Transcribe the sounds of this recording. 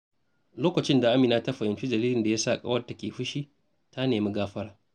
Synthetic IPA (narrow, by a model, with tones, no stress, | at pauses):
loː˦kɐ˨t͡ʃɪ˦nda˨ʔa˦mɪ˨naː˦ta˦ɸɐ˨ʔɪ˨nt͡ʃi˦d͡ʒɐ˨liː˦lɪ˨nda˨ja˦sa˦˨kʼa̰˦wɐ˦da˨kʲeː˨ɸɪ˦ʃiː˦ | tʰa˦neː˨mi˦ɡaː˦ɸɐ˦ɾaː˨